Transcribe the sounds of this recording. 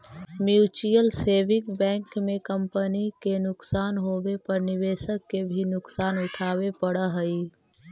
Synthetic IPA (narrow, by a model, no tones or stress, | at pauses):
mjuːt͡ʃijəlseːʋɪkbɛ̃ːŋkmẽkə̃mpənikenʊksaːnɦobepəɾnɪbeːsəkːebʱinʊksaːnʊʈʰaːbepəɽəɦəi